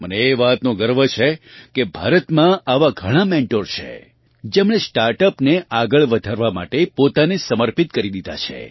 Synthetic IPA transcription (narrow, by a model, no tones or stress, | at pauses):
məneːʋat̪nõɡəɾʋət͡ʃʰekebʱa̰ɾət̪mãaʋaɡʱəɽ̃amẽɳʈoɾt͡ʃʰḛ | d͡ʒemɽ̃esʈaɾʈəpneʔaɡəɭʋəd̪ʱaɾʋama̰ʈepot̪anesəməɾpit̪̚kəɾid̪id̪ʱa̰t͡ʃʰḛ